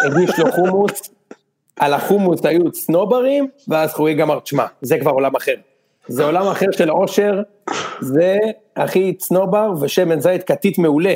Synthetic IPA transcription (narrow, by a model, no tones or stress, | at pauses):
eɡiʃloχumus | ʔalaχumusajut͡sno̞baʁimveazχujiɡamaʁt͡ʃma̰zekvaʁo̞lamaχe̞ʁ | zeo̞lamaχe̞ʁʃelo̞ʃe̞ʁ | ze | aχit͡sno̞baʁveʃemenzajt̪̚kat̪it̪me̞ule